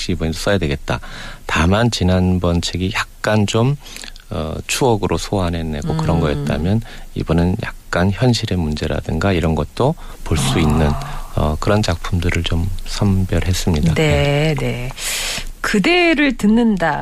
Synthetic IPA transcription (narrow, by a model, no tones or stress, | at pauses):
kɕ͈iibʌɲʰs͈ʌjadweɡe̞t̚t͈atamant͡ɕinanbʌnt͡ɕʰeɡijak̚k͈ant͡ɕom | ʌ̰t͡ɕʰuʌɡɯɾʔosʰoɦane̞ne̞̰ɡokɯɾʌnɡʌjet̚t͈a̰mjʌnḭbunɯnja̰k̚k͈ançjʌnɕʰiɾe̞mund͡ʑe̞ɾa̰dɯŋɡaiɾʌnɡʌt̚t͈o | poɭs͈uinːɯnʌ̰kɯɾʌnt͡ɕak̚pʰumdɯɾɯɭt͡ɕomsʰʌmbjʌɾɦe̞s͈ɯmɲidanene̞ | kɯde̞ɾɯɭtɯnːɯnda